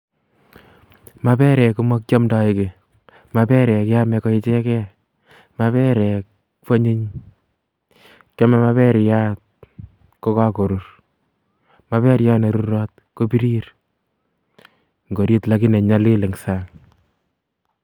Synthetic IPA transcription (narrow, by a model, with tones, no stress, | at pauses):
ma˦pɛ˦ɾɛ˨ku˦ma˦k̚t͡ʃɔ˦mda˨ɪ˨ke˨ | ma˨pɛ˦ɾɛ˨kja˦mɛ˧kɔ˦i˦t͡ʃe˦kɛ˦ | maβɛ˦ɾɛ˨k | fo˦ɲe˦ɲ | kja˦mɛ˦ma˦βɛ˦ɾi˨ja˦t̚ | ko˦ka˦ko˨ɾu˦ɾ | ma˦pɛ˦ɾja˦ne˨ɾu˦ɾɔ˦t̚ko˦pi˦ɾi˦ɾ | ŋɡo˨ɾi˦tla˦ki˦ne˨ɲa˦li˦le˨ŋsaŋ